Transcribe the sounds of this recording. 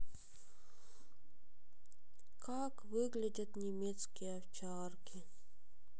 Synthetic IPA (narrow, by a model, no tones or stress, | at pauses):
kakvɨɡlʲɪdʲət̪nʲɪmʲet̪skʲɪjɛɐft͡ɕaːrkʲʰɪ